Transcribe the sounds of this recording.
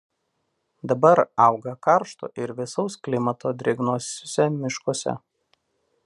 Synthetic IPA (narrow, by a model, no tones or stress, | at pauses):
d̪ɐbɐɾɑˑʊɡɐkɐɾʃt̪o̰ʔɪɾʋʲɪsɒʊsklʲɪmɐt̪oːd̪ʲɾʲɪɡnoːsʲʊsʲɛmʲɪʃkoɔsʲɛ̰